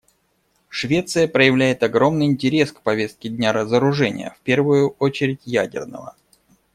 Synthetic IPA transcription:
ʂvʲe̞t̪sɨjəpɾəjɪvlʲæjɪt̪ɐɡɾo̞mnɨjɪnʲtʲɪɾʲe̞skpɐvʲe̞st̪̚kʲɪdʲnʲaɾəzəɾʊʐɛnʲɪ̰jə̰fpʲe̞rvʊjʊot͡ɕɪɾʲɪtʲjædʲɪ̰rnə̰və̰

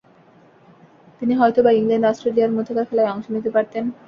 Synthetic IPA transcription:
t̪iniɦɔjt̪obaiŋlanɖɔsʈɾelijaɾmod̪ʰʱakaɾfɛlaeɔŋʃonit̪epaɾt̪en

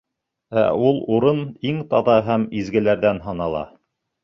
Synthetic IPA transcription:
æ̰ulˠuɾɤniŋt̪ɑðɑɦæmizɡɘ̆læɾðænɦɑnɑlˠɑ̰

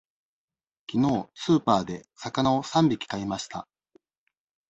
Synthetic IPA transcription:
kʲino̞ːsɨːpaːd̪e̞sakanaosãmbʲikʲi̥kaimaɕi̥t̪a

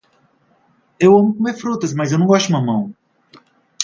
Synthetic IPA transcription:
ewɐ̃mʊkomeɾfɾut̪ɐsmɐzewnɐ̃w̃ɡɔst̪ʊmɐmɐ̃w̃

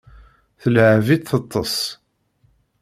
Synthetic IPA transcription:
θəlʕvit̪θət̪ˤːəsˤ

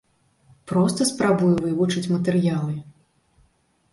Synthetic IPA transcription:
pɾɔst̪ɐspɾabujuvɨvut͡ʂɨt͡sʲmɐt̪ɛɾɨjalˠɨ

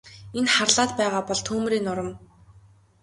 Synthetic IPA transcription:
enχarɮaːt̪̚pæːʁaːpɔɮt̪ʰuːmɾiːnʊɾə̆m

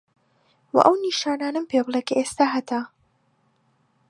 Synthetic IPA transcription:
wɐ̰ʔɐwniʃaːnaːnɐmpʰeblˠekɐʔest̪aːɦɐt̪ʰa

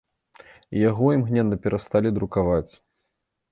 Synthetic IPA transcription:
jaɣɔimɣnʲɛnːɐpʲɛɾʔast̪alʲid̪ɾukavat͡sʲ

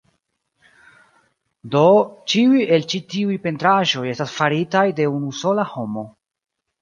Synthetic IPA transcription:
do̞t͡ʃiuje̞lt͡ʃitiujpe̞ntɾaʒo̞je̞stasfaɾitajde̞unuso̞laho̞mo̞

